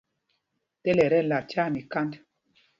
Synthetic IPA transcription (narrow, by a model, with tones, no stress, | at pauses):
tɛ˦lɛ˨ɾɛ˦˨la˨t͡ʃa˦˨mi˨ka˦nd